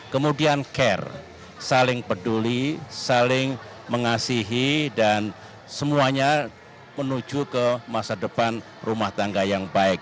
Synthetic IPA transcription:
kəmudiankɛr | salɪŋpədulisalɪŋ | məŋasiɦidan | səmuaɲa | mənud͡ʒukəmasadəpan | rumaht̪aŋɡajaŋbaɪk̚

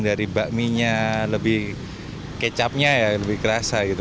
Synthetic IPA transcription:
daɾibaʔmiɲaləbɪh | kət͡ʃap̚ɲajaləbɪhkəɾasaɡit̪

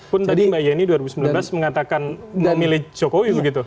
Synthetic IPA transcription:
pʊnt̪adimbajainiduaɾibusəmbilamblasməŋat̪akanməmilɪht͡ʃokowibəɡit̪u

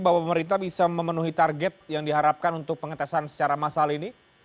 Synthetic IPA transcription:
bawapəməɾint̪abisaməmənuɦit̪arɡɛt̪̚jaŋdiɦaɾap̚kanunt̪ʊk̚pəŋət̪asansə̥t͡ʃaɾamasalini

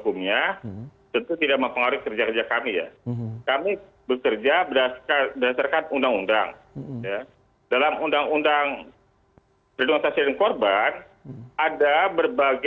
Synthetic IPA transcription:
kumɲat̪ənt̪ut̪idaʔk̚məmpəŋaɾɪkərd͡ʒakərd͡ʒakamija̰kami | bəkərd͡ʒabədakanbədasarkanundaŋunda̰ŋja | dalamundaŋundaŋ | pɾinoŋsasidənkorban | adabərbaɡ

